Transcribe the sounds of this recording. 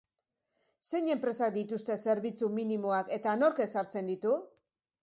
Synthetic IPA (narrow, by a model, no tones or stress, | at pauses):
se̞ɲe̞mpɾe̞sak̚d̪it̪ust̪e̞se̞ɾβit͡suminimoake̞t̪ano̞ɾke̞saɾt͡se̞nd̪it̪u